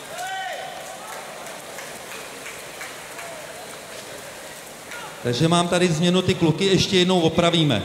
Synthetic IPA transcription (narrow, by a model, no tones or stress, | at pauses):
t̪aɡʒɛmaːmt̪adɪzmɲɛnut̪ɪklukɪjɛʃcɛjɛdnowvo̞pɾaviːmɛ̰